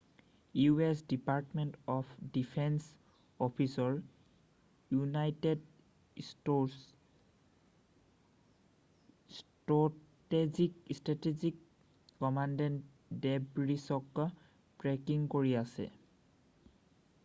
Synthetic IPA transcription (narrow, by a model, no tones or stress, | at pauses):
juesdipaɹtmentɔpʰdipʰɛns | ɔpʰisɔɹ | junajted | s | stɔ | tezikstɹatezikː | ɔmandɛn | dɛbɹisɔk | b̥ɹekiŋkoɹiasɛ̰